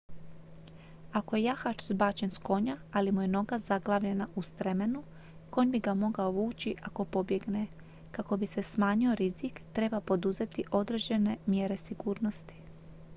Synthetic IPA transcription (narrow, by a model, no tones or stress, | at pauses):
ako̞je̞jaxat͡ʃzbaːt͡ʃe̞nsko̞ɲaalimujeno̞ɡazaɡlˠaːʋʎe̞naʔust̪ɾeme̞nu | kojnbiɡamo̞ɡaoʋuːt͡ʃiʔako̞po̞bje̞ɡne̞ | kako̞bise̞smaːɲio̞ɾizikt̪ɾe̞bapo̞d̪uze̞t̪iʔo̞d̪ɾed͡ʒe̞ne̞mje̞ɾe̞siɡuːɾno̞st̪i̥